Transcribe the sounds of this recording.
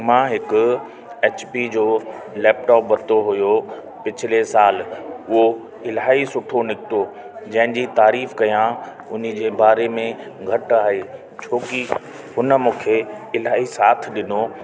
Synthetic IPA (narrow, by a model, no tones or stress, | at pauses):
mãːɦɪkʊ̆ | eːt͡ɕpid͡ʑoː | lɛːp̚ʈɔːp̚bɐt̪oɦʊjo | pɪt͡ɕʰɪlesaːlʊɦo | ɪlaːɦisʊʈʰonɪkɪt̪o | d͡ʑɐ̃ɦɪ̃d͡ʑit̪aːɾiːfkɐjã | ʊnɪ̆d͡ʑeːbaːɾemẽ | ɡʱɐʈaːɦeː | t͡ɕʰoːki | ɦʊnəmũːkʰeɪlaːɦisaːt̪ʰɗɪno